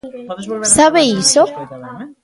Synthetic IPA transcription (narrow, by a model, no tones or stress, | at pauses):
saβeiso